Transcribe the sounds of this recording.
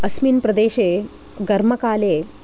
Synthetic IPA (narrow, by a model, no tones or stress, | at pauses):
ɐsmiːnpɾɐd̪eːɕe | ɡɐɾmɐkaːle